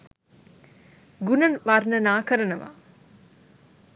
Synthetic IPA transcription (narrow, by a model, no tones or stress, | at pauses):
ɡunɐnʋarnənaːkəɾənəʋa̰